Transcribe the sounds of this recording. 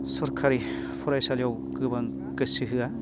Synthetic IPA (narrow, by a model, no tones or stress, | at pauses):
sɔɾkʰaɾi | pʰuɾajsaljaw | kɯbaŋ | kɯsiɦɯa